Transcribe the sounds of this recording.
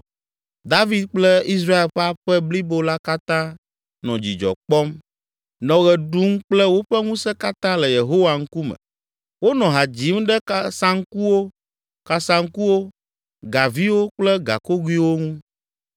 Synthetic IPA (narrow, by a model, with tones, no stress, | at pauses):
d̪a˦vi˦d̪̚k͡plɛ˦i˦s̬ɾa˦e˨lɸa˦ɸɛ˦bli˦bo˦la˦ka˦t̪ã˦ | nɔ̰̃˨d͡ʑḭ˨d͡ʒɔ̰˨k͡pɔ˦m | nɔ̃˨ɣɛ˨ɖu˦m˦k͡plɛ˦wo˦ɸɛ˦ŋũ˦sɛ˦ka˦t̪ã˦lɛ˨je˨ɦo˦wa˨ŋ̩˦ku˦mɛ̰̃˨ | wo˦nɔ̃˨ɦa˨d͡ʑi˨˦m˦ɖɛ˦ka˦sã˦ŋ˦ku˦wo˦ | ka˨sã˦ŋ̩˦ku˦wo˦ | ɡa˨vi˦wo˦k͡plɛ˦ɡa̰˨ko˦ɡwi˦wo˦ŋũ˦